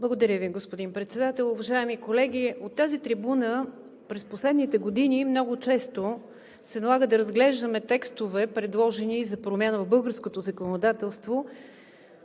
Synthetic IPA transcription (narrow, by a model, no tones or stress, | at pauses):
blˠəɡod̪ɐɾʲəviɡospod̪inpɾɛt̪sɛd̪at̪ɛlˠʊvɐʒaɛmikolɛɡ̟iot̪ːazit̪ɾibunə | pɾɛsposlɛd̪nit̪ɛɡod̪inimnɔɡʊt͡ʃɛst̪o | sɛnɐlˠaɡəd̪ɐɾəzɡlɛʒd̪əmɛt̪ɛkst̪ovɛpɾɛd̪lˠɔʒɛnizɐpɾomʲjanəvbɤlˠɡəɾskot̪ozɐkonod̪at̪ɛlˠst̪vo